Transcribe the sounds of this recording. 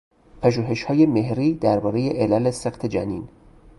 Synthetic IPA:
pʰæʒuːɦe̞ʃhɒːjemehɾiːd̪æɾbɒːɾe̞jeʔelæleseqt̪ʰed͡ʒæ̰nḭːn

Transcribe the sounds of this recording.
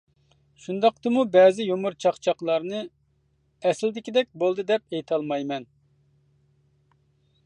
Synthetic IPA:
ʃund̪ɑqt̪ɨmubɛːzɪjomuɾt͡ʃʰɑχt͡ʃʰɑqlˠɑɾnɨ | ɛsɪld̪ɪkʲid̪ɛk̚ʲbolˠd̪ɨd̪ɛp̚ejt̪ʰɑlˠmɑjmɛn

